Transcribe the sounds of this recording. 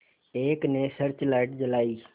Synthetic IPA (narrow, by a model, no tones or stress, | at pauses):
eːknesəɾt͡ʃlaːɪʈd͡ʒəlaːiː